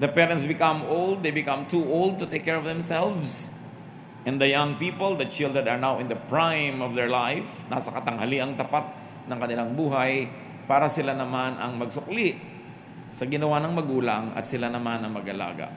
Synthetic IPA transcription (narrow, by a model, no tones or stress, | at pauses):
d̪ɐpɛɾɐnt̪sbɪkãmolˠd̪̚d̪ejbɪkamt̪uʔolˠd̪̚t̪ʊt̪ejkːɛɹɔvðɛ̃msɛlvs | ʔɛ̃nd̪ɐjãŋpipold̪ɐt͡ʃɪld̪əd̪ɐɹnawɪnd̪ɐpɹãjmɔvd̪ɛɹlajfna̰sɐkɐt̪ɐŋhaliʔɐŋt̪ɐpat̪̚ | nɐ̃ŋkɐnɪlaŋbuːɦaj | paːɾɐsɪlanɐmanʔɐ̰ŋmɐɡ̚sʊkliʔ | sɐɡɪnɐwanɐŋmɐɡuːlaŋɐ̰t̪sɪlanɐmanɐŋmɐɡɐla̰ːɡa̰ʔ